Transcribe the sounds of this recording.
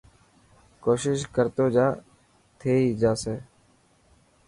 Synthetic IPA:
koːʃɪʃkəɾt̪oːd͡ʒaː | t̪ʰeːiːd͡ʒaːseː

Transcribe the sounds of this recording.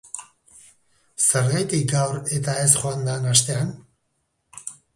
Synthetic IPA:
seɾɣajt̪ik̚ɡawɾet̪aesχoand̪anast̪e̞an

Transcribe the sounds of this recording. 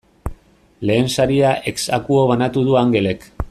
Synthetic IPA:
le̞ːnsaɾiaʔeksakuoβanat̪uðuaŋɡe̞le̞k

